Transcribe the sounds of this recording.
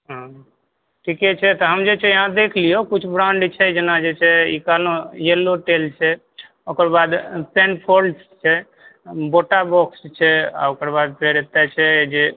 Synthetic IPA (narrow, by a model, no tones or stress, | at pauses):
ɦã | ʈʰikɛt͡ʃʰɛt̪ɔɦəmd͡ʒet͡ʃʰɛjəɦãd̪ekʰlijokut͡ʃʰbɾaɳɖt͡ʃʰɛd͡ʒenad͡ʒet͡ʃʰɛḭkalõjelːoʈelt͡ʃʰɛ | okəɾbad̪penpʰols | t͡ʃʰɛ | boʈabɔkst͡ʃʰɛa̰okəɾbad̪̚pɾeɾet̪ɛt͡ʃʰɛd͡ʒe